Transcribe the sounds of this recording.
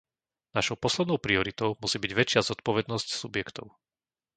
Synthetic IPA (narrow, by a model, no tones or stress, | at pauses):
naʃɔʊpɔslɛd̪nɔʊpɾiɔɾit̪ɔʊmusiːbiɟʋɛt͡ʃɪazɔt̪̚pɔʋɛd̪nɔscsubjɛkt̪ɔ̰ʊ